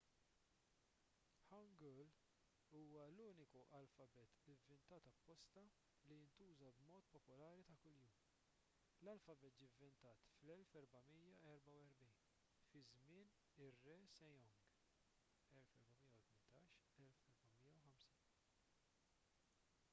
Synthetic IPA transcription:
ħɐŋɡɔl | uːwɐluːnɪkuʔɐlfɐbɛt̪ɪvːɪnt̪ɐːt̪ɐpːɔst̪ɐ | lijɪnt̪uːzɐbmɔːt̪pɔpʊlɐːɾit̪ɐkʊljuːm | lɐlfɐbɛt̪̚d͡ʒivːɪnt̪ɐːt̪flɛlfɛɾbɐmiːjɐɛɾbɐwɛɾbiːn | fɪzmɪːn | ɪrːɛsɛjɔŋɡ | ɛlfɛɾbɐmijːɐwt̪mɪnt̪ːɐːʃ | ɛlfɛɾbɐmijːɐwħɐmsiːn

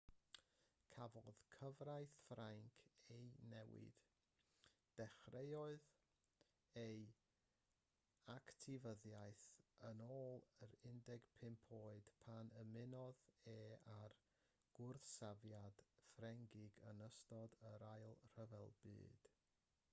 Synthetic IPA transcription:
kʰavɔðkʰəvrajθfraŋkʰejnɛwɪ̰d̥ | d̥ɛχrejɔɨð | ej | aktʰɪvəðjajθənoːlˠəɾɪndɛɡ̥pʰɪmpʰoːɨd̥pʰanəmɪnɔðeːar | ɡ̥ʊrθsavjad̥frɛŋɡɪɡə̰nəstɔdəɾajlˠr̥əvɛlˠbɨ̰ːd̥

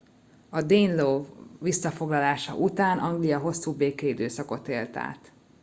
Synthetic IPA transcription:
ɒd̪eːnloːʋisːɒfo̞ɡlɒlaːʃɒ̰ʔut̪aːnʔɒŋɡlijɒɦo̞sːuːbeːkɛid̪øːsɒko̞t̪eːlt̪a̰ːt̪

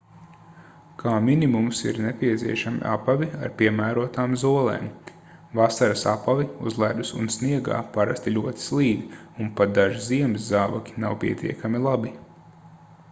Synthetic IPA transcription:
kʰaːminimumsḭɾnepʲiɛt̪sʲiɛʃamḭʔapavʲia̰ɾpʲiɛmæːɾuɔt̪aːmzuɔlˠḛːm | vasaɾasapaviṵzlˠæːd̪usunsniɛɡa̰ːpaɾa̰st̪ilʲuɔt̪i̥slˠiːd̪iunpat̪̚d̪aʒiziɛmiszaːvakʲi̥nawpʲiɛt̪ʰʲḭɛkamilˠabi

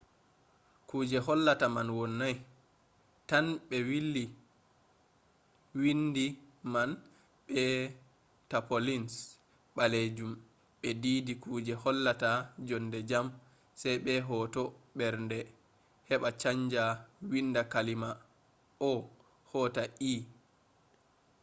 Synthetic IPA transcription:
kuːd͡ʒɛɦɔlːatamanwɔnːaj | tanɓɛwilːi | windiman | ɓɛ | tapolins | ɓaled͡ʒum | ɓɛdiːdikuːd͡ʒɛhɔlːatad͡ʒɔndɛd͡ʒam | sajɓɛɦɔtɔɓɛɾndɛ | hɛɓat͡ʃaɲd͡ʒawinːdakalima | ɔ | hɔtaʔiː

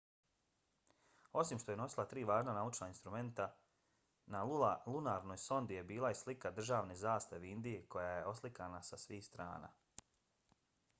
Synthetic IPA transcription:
o̞simʃt̪o̞je̞no̞silˠat̪ɾiːʋaːʒnanaut͡ʃnainst̪ɾume̞nt̪a | nalulalunaːɾno̞ːjso̞nd̪ije̞biːlˠaislikad̪r̩ʒaːʋnezaːst̪aʋeind̪ije̞kʰo̞jaːjeʔo̞slikanasasʋiːxst̪ɾa̰ːna̰ː

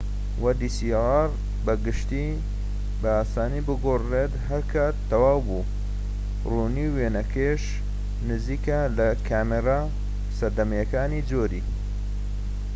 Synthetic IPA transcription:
wʔɐd̪isiʁɑr | bɐɡɨʃt̪i | bɐaːsaːnibɨɡoːret̪ɦɐɾkʰaːt̪ːɐwaːwbu | runiweːnɐkʰeʃ | nɨziːkɐlɐkʰaːmeɾa | sɐɾd̪ɐmɐjɐkaːnid͡zoɾḭː

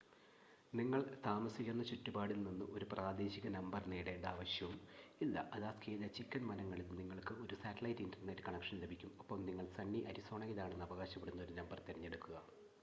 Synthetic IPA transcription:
niŋːɐɭt̪aːmɐsikʲːenːɐt͡ɕutːubaːɽilninːɨʔo̞ɾupraːd̪e̞ːɕiɣɐnɐmbɐrniːɽe̞ːɳɖaːʋɐɕjɐʋumilːɐ̰ʔɐðaːskʰeːlɐt͡ɕikʲːɐnmɐnɐŋːɐɭilniŋːɐɭkɨo̞ɾusaːtːɐlɐjtːindɐnːɐɾkɐɳɐkʂɐnlebʱikʲːumopːɐmniŋːɐɭsɐɳːiʔɐɾiso̞ːɳɐɣiðaːɳe̞nːɐʋɐɣaːɕɐpːeɽunːɐo̞ɾunɐmbɐrt̪eɾiɲːe̞ɽukːuɣɐ

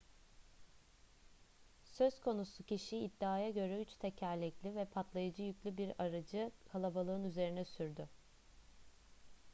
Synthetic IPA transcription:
sø̞z̥kʰo̞nusucʰiʃiːd̪ːiaːjaɟø̞ɾɛyt͡ʃt̪ʰecʰæɾlʲɛclʲivɛpʰat̪lˠajad͡ʒɯjycʲlʲybiɾaɾad͡ʒɯkʰalˠabalˠɯnyze̞ɾinɛsyɾd̪ʏ

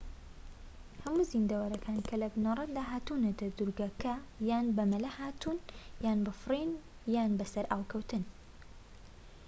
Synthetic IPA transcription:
hɐmuzind̪ɐwɐɾɐkʰaːnkʰɐlɐbnɐrˤɐd̪aːɦaːt̪unɐt̪ʰɐd̪uɾɡɐkʰɐjaːnbɐmɐlɐhaːt̪ʰunjaːnbɐfɨrin | jaːnbɐsɐɾaːwkʰɐwt̪ɨn

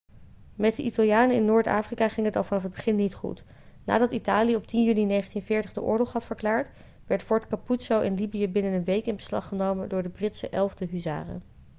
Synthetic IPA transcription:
mɛt̚dəʔitalˠjaːnəɪnːʊːɹta̰ːfrikaːχɪŋətɑnfɑnɑfɦəd̚bəχɪnːitχṵt | na̰ːdɑtitaːlijəɔp̚tinjyninejχəntinvɪːɹtəχdəʔʊ̰ːɹlɔχɦɑtfəɹklaːɹt | ʋɛɹtfɔɹtkaputsowʔɛnlibijəbɪnənənʋejkɪnbəslɑ̰χənowməndʊːɹdəbrɪtsə̰ʔɛlˠvdəɦyza̰ːrə̰

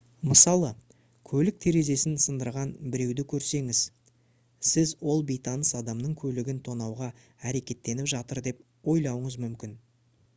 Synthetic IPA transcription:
məsɑlˠə | kʲʰɵlɪk̚t̪ʰe̞ɾe̞ze̞sɪnsənd̪əɾʁɑnbɪɾe̞wd̪ɪkʲʰɵɾse̞ŋɪz̥ | sɪzwo̞lˠbijt̪ɑnəsɑd̪ɑmnəɴkʲʰɵlɪɡʲɪnt̪ʰo̞nɑwʁɑ | æɾe̞kʲe̞t̪ːe̞nɪpʒɑt̪əɾd̪e̞p̚ | wo̞jlˠɑwəɴəzmʏmkʲɪn

